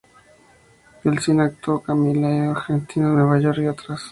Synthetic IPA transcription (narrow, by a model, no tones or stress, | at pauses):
elsinak̚t̪okamilajaɾxent̪ʰinaweβajoɾiot̪ɾas